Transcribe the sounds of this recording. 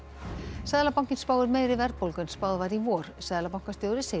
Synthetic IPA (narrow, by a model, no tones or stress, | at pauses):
sɛðlapaw̥cɪnspaːwðʏɾmeːjɾɪvɛɾt̪̚polkʏnspaːwðvaɾivɔːɾ̥sɛðlapawŋ̥kast̪jowɾɪseː